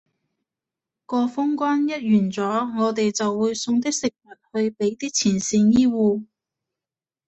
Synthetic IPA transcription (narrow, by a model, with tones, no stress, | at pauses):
kɔː˧fʊ˥ŋkʷaː˥njɐ˥t̚jyː˨˩nt͡sɔː˨˥ŋɔː˨˧t̪̬e˨jt͡sɐ˨wːuː˨˧˥jsʊ˧ŋt̪ɪ˥k̚sɪ˨k̚mɐ˨t̚hɵ˧ɥpe˨˥jt̪iː˥k̚t͡sʰiː˨˩nsiː˧njiː˥wuː˧